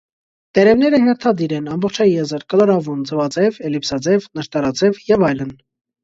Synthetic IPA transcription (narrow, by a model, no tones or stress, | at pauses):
t̪ɛɾɛvnɛɾəhɛɾt̪ʰɑd̪iɾɛnɑmbɔχt͡ʃʰɑjjɛzəɾkəlɑɾɑvund͡zəvɑt͡sɛvɛlipsɑd͡zɛvnəʃt̪ɑɾɑt͡sɛvjɛvɑjlən